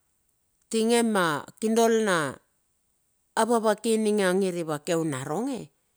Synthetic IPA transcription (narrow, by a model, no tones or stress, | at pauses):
tiŋe̞makindo̞lna | βaβakiniŋaŋiɾiβake̞wnaɾo̞ŋe̞̰